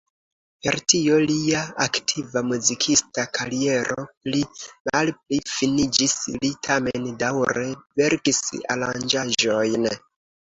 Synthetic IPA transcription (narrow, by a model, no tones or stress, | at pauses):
peɾtio̞liaaktʰivamuzikʰistakʰaɾie̞ɾʔoplimalp̚lifinid͡ʒislitʰamendawɾeve̞ɾkisa̰land͡ʒaʒo̞jn